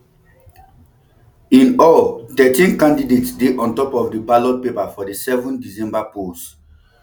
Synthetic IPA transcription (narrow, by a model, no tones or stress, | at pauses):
ĩnɔltɛtĩnkãndidetsdeʔɔ̃ntɔpɔfdəbalɔt̚pepafɔdisɛvɔ̃ndisɛ̃mbapost